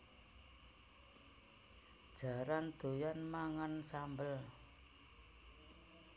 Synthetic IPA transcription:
d̥ʒ̥ä̤ɾand̪̥o̤janmaŋansambəl

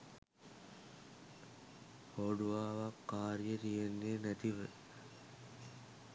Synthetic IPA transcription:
hoːɖuʋaːʋakːaːɾijət̪ijenːeːnæt̪iʋə

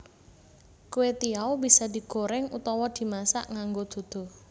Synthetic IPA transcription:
kuwet̪iawbisad̪̥i̤ɡ̥o̤ɾɛŋut̪ɔwɔd̪̥i̤masa̰ʔŋaŋɡod̪̥o̤d̪̥o̤

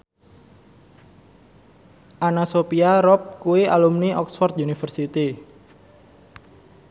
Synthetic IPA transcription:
ʔanasopiaɾɔp̚kuweʔa̰lumniʔɔksfɔrt̪junifərsit̪i

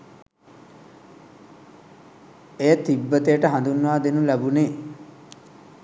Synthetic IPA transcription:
ejət̪ibːət̪ejəʈəɦand̪unːuʋaːd̪enulæbune

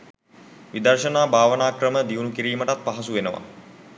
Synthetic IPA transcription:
ʋid̪ərʃənaːbʱaːʋənaːkrəməd̪iʋunukiɾiːməʈat̪̚paɦasuʋenəʋa̰

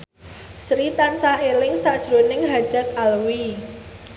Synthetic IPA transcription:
sɾit̪ansahelɪŋsaʔd̥ʒ̥ɾonɪŋɦḁd̥a̤t̪̚alwi

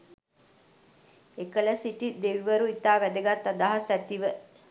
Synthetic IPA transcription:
ekələsiʈid̪eʋiʋəɾuit̪aːʋæd̪əɡat̪ːad̪aɦasæt̪iʋə

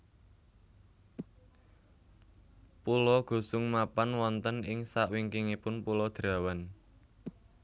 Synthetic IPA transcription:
pulɔɡ̥ṳsʊŋmapanwɔnt̪ənɪŋsaʔwiŋkiŋipʊnpulɔd̪̥ɾa̤wan

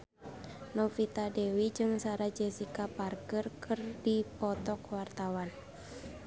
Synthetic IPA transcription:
nɔfit̪adɛwid͡ʒɨŋsaɾad͡ʒɛsikaparkərkʰɨrdipɔt̪ɔkwart̪awan

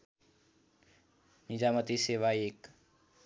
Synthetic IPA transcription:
nid͡ʒaːmət̪iseːʋaeːk

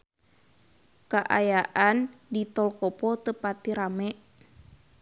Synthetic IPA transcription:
kaʔajaʔandit̪ɔlkɔpɔt̪əpat̪iɾamɛ

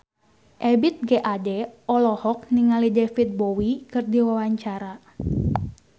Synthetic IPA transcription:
ʔɛbit̪̚ɡɛʔadɛɔlɔhɔk̚niŋalidɛfit̪̚bɔwikɨrdiwawaɲt͡ʃaɾa

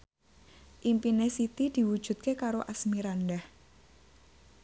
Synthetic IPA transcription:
ʔimpinesit̪id̪̥i̤wud̥ʒ̥ṳt̪̚kekaɾoʔasmiɾandah

